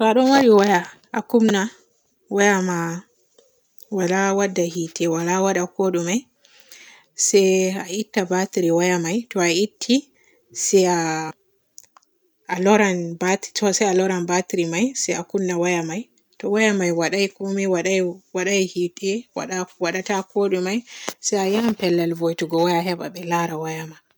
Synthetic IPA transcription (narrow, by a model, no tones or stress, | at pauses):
tɔaɗɔmaɾiwaja | akumna | wajama | walawadːahitʰɛwalawaɗakɔɗumaj | sɛjaitːabatɾiwajamajtɔaitʰːi | sɛa | lɔɾanbattɔsɛjalɔɾanbatɾimajsɛjakunːawajamaj | tɔwajamajwaɗajikomiwaɗawaɗajhitɛwa̰ɗawaɗatakoɗumajsɛjajampɛlːalvojtuɡɔwajaɦɛba̰ɓɛlaɾawajamaj